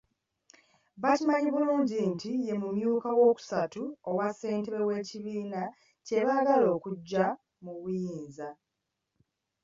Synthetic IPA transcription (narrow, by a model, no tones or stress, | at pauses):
βacimaɲiβuluːɲɟintije̞mumjuːkawo̞ːku̥satuowasːe̞ːnteβe̞we̞ːciβiːna | ce̞βaːɡalo̞ːkuɟːa | muβujiːnza